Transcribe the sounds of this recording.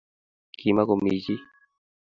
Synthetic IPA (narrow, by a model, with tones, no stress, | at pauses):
ki˨ma˦ko˨mi˨t͡ʃi˦